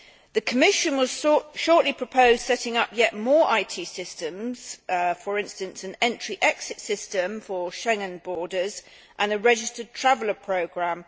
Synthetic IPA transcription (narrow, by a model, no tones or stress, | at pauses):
ðəkʰəmɪʃə̃nwɒz̥ʃɔˑʔlipʰɹ̥əpʰəʊz̥sɛtɪ̃ŋʌpjɛʔmɔːɹʔaɪtʰiːsɪstə̃mz̥fəɹɪ̃nstə̃nsə̃nɛ̃nt͡ʃɹ̥iʔɛksɪtsɪstə̃mfəʃɛ̃ŋə̃nbɔːdəz | ʔə̃nəɹɛd͡ʒɪstəd̚tʰɹ̥avələpʰɹ̥əʊɡɹãm